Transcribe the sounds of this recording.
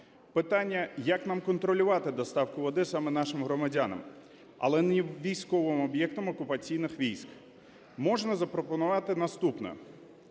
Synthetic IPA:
pɪt̪ɑnʲːɐjɐknɑmkɔnt̪ɾɔlʲʊʋɑt̪ɪd̪ɔst̪ɑwkʊʋɔd̪ɪsɑmɛn̪ɑʃɪmɦɾɔmɐdʲanɐ̰m | ɐ̰lˠɛniʋʲijsʲkɔʋɪmɔbjɛk̚t̪ɔmɔkʊpɐt͡sʲijnɪxʋʲijsʲk | mɔʒnɐzɐpɾɔpɔnʊʋɑt̪ɪnɐst̪upnɔ̰

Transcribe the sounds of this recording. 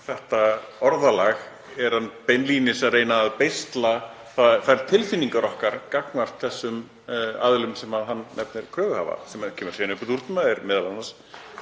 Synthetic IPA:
θɛht̪aɔɾðalaɣ | ɛɾ̥hanːpenlinɪsaðreːjnaːðpejst̪la | θaθaɛɾ̥t̪ʰɪlfiniŋkaɾɔhkaɾ̥kaknvar̥t̪θɛsːʏm | a̰ðlʏmsɛmaðɦanːɛpnɪɾ̥kʰɾœːɣʏha̰va̰sɛmacʰɛːmʏɾ̥sɛanʏpɔt̪uɾ̥t̪ʏnaɛɾmɪðalanas

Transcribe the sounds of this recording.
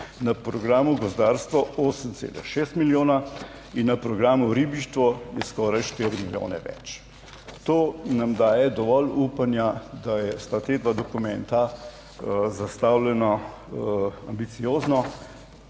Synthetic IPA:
napɾɔɡɾaːmuɡɔzd̪aːɾst̪ʋɔoːsənt̪sḛːlɛ̰xʃeːst̪miljoːna | inːapɾɔɡɾaːmuɾiːbiʃt̪ʋɔjɛskɔːɾajʃt̪eɾimiljo̰ːnɛ̰ʋɛ̰t͡ʃ | t̪oːnamd̪aːjɛd̪ɔʋɔluːpanjad̪ajɛst̪at̪eːd̪ʋad̪ɔkumɛnt̪a | zast̪aːwlɛnɔ | a̰mbit̪sijoːznɔ

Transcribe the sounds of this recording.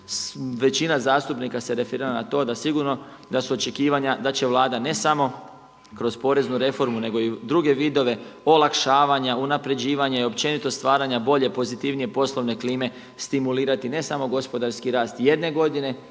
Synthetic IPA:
ʋe̞t͡ɕinazaːst̪upnikase̞ɾe̞feɾiɾaanat̪o̞ːd̪asiɡuɾno̞ | d̪asuo̞t͡ʃe̞kiːʋaɲad̪at͡ɕe̞ʋlˠaːd̪ane̞samo̞ | kɾo̞spo̞ɾe̞znuɾe̞fo̞ɾmune̞ɡo̞id̪ɾuɡe̞ʋiːd̪o̞ʋe̞o̞lˠakʃaːʋaɲaunapɾe̞d͡ʑiːʋaɲaio̞pt͡ʃe̞nit̪o̞st̪ʋaːɾaɲabo̞ʎe̞po̞zit̪iʋnije̞po̞slˠo̞ʋne̞kliːme̞ | st̪imuliːɾat̪ine̞samo̞ɡo̞spo̞d̪aɾskiɾaːst̪je̞d̪ne̞ɡo̞d̪ine̞

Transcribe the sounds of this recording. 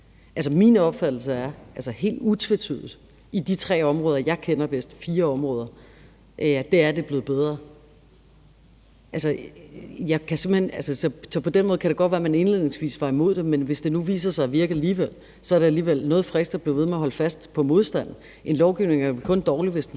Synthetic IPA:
ʔæls̬əmḭnɒ̽b̥fæd̥l̩səæɐʔælsəhe̝̰ːld̥ut͡sʰʋe̝t͡sʰy̰ð̰ˠð̩ˠ | id̥it͡sʰʁɛ̰ːɒ̽mʁɔ̽ːðˠɐjɑ̈ɪkʰen̰ɐb̥esd̥fiːɐɒ̽mʁɔ̽ːð̞ˠɐ | ʔd̥e̝æɐd̥e̝b̥le̝ːð̩ˠb̥eð̞ˠʁɐ | ʔælsə | jɑ̈ɪkʰæse̝m̥̰əhenælsəsɒ̽sɒ̽pʰɒ̽den̰mɔːð̞ˠkʰæɾ̥eɡ̥ɒd̥ʋæːɐmæne̝nle̝ðˠne̝ŋsʋḭːsʋɑ̈imo̝ð̞̰ˠd̥emenʋe̝sd̥e̝nuʋḭːs̬ɐsɑ̈ɪʋiɐɡ̥əæliːʋel̰ | sɒ̽æɐɾeæliːʋel̰nɔ̽ːð̩ˠfʁɛsd̥ɑb̥le̝ʊʋeð̞meɐɦɒ̽ləfæsd̥pʰɒ̽mo̝ð̞ˠsd̥æn̰n̩ | ʔe̝nlɒʊɡ̥iʊne̝ŋæɐkʰɔ̽nd̥ɒːliʋe̝sd̥e

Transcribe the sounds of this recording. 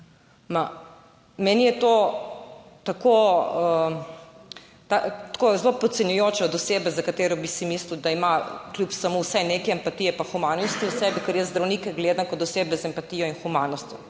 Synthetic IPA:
ma | mɛnijɛt̪o | t̪akoə | t̪at̪kozlopɔt̪sɛnjɔjoːt͡ʃɛɔd̪useːbɛzakat̪eːɾɔbisimisliwd̪aimaklʲjupsamowsɛnekɛɐmpat̪ijɛpaxumaːnɔst̪iusɛbikəɾjɛzd̪ɾawnikɛɡled̪ankɔt̪useːbɛzɛmpat̪ijɔinxumanɔst̪jɔ

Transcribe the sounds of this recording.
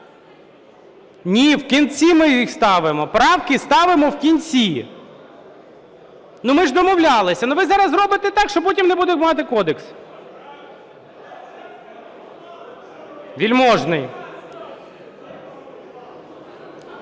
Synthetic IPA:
nʲiwkʲint͡sʲimɪixst̪ɑʋɪmɔpɾɑwkɪst̪ɑʋɪmɔwkʲinʲt͡sʲi | numɪʒd̪ɔmɔwlʲɑlˠɪsʲɐnʊʋɪzɑɾɐzɾɔbɪt̪ɛt̪ɑkʃt͡ʃɔp̬ɔtʲimnebud̪emɑt̪ɪkɔd̪eks | ʋʲilʲmɔʒnɪj

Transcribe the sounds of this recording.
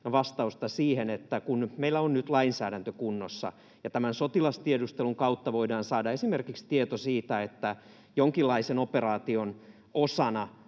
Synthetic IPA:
ʋɑst̪ɑust̪ɑsiːhenet̪ːækunmeilːæonnyt̪lɑinsæːdænt̪økunːosːɑ̰ | jɑt̪æmænsot̪ilɑst̪iedust̪eluŋkɑut̪ːɑʋoidɑːnsɑːdɑesimerkikst̪iet̪osiːt̪æet̪ːæ | joŋkilːɑisenoperɑːt̪ion | osɑnɑ

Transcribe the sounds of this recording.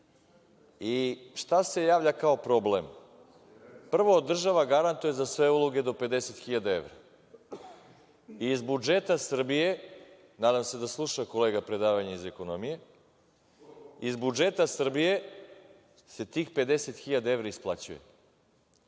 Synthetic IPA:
iʃt̪ase̞jaːʋʎakao̞pɾo̞blem | pr̩ʋoːd̪r̩ʒaʋaɡaɾant̪uje̞zasʋe̞uloɡe̞d̪o̞pe̞d̪eset̪xiʎad̪ae̞̰ʋɾa | iːzbud͡ʒet̪asr̩bije̞ | naːd̪amse̞d̪aslˠuʃako̞leːɡapɾe̞d̪aːʋaɲaize̞ko̞nomije̞ | izbud͡ʒet̪asr̩bije̞ | se̞t̪iːxpe̞d̪eset̪xiʎad̪aevɾaisplˠat͡ɕujḛ

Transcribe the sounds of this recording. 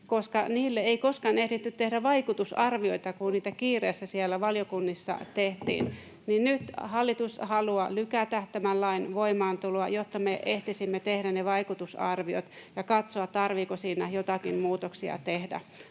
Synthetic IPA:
koskɑniːlːeeikoskɑnehdit̪ːyt̪t̪ehɾæʋɑikut̪usɑrʋioit̪ɑkuniːt̪ækiːreːsːæsielːæʋɑljokunːisːɑ̰t̪eht̪ḭːn | ninnyt̪hɑlːit̪ushɑluɑlykæt̪æht̪æmælːɑinʋoimɑːnt̪uloɑjot̪ːɑmeʔeht̪isimːet̪ehdæneʋɑikut̪usɑ̰rʋio̰t̪ | jɑkɑt̪soɑt̪t̪ɑrʋikosiːnæjot̪ɑkimmuːt̪oksiɑ̰t̪ehdæ̰

